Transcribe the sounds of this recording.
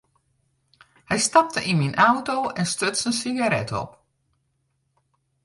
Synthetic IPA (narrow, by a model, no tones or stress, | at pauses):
hɛjstap̚təʔinminʔawtowʔɛnstøtsənsiɡaɾɛtʰɔ̰p